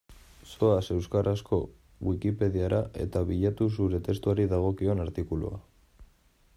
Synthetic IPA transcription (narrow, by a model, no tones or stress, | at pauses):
so̞ase̞wskaɾʔasko̞ | ɣwikipe̞ðiaɾʔaʔe̞̰t̪aβiʎat̪us̬uɾe̞t̪e̞st̪uaɾiðaɣ̞o̞kio̞naɾt̪ikulṵa̰